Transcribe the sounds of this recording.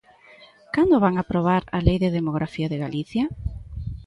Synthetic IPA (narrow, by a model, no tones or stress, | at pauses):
kand̪oβaŋapɾoβ̞aɾalejðeðemoɣɾʔafiaðeɣaliθja